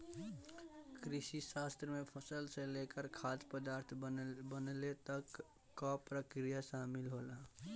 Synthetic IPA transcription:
kɾɪsisast̪ɾəmẽpʰəsəlselekəɾkʰaːd̪pəd̪aːɾt̪ʰbənlet̪əkː | ɔpɾəkɾijasaːmɪlɦoːla

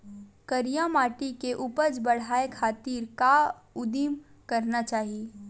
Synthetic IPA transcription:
kəɾijamaːʈikeʔupəd͡ʒbəɽ̤aːekʰaːt̪iːɾkaʊd̪im | kəɾnat͡ʃaːɦie

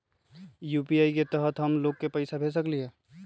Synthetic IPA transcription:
juːpiaːiket̪əɦət̪ɦəmloːɡ̚kepəɪsabʱes̬əklieː

